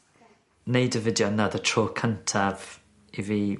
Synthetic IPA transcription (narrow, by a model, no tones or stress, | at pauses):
neɪdəvɪdjonəðətʰɹɔːkʰə̃ntʰav | ɪvi